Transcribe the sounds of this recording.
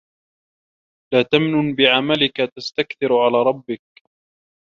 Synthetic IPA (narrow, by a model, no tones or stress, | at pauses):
laːt̪amnʊnbɪʕamalɪkat̪ast̪akθɪɾʕalaːɾˤɑbːɪk̚